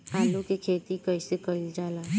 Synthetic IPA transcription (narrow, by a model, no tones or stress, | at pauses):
aːlukekʰeːt̪ikəisekəld͡ʒaːla